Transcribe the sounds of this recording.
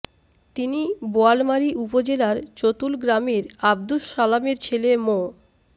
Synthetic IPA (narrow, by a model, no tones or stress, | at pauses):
t̪iniboalmaɾiʔupod͡ʑelaɾt͡ɕot̪ulɡɾameɾab̚d̪uʃalameɾt͡ɕʰelemo